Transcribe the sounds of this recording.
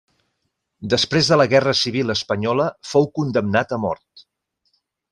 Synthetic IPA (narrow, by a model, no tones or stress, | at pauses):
d̪əspɾezðələɣɛrəsiβ̞iləspəɲɔləfowkund̪əmnat̪əmɔ̰ɾt̪̚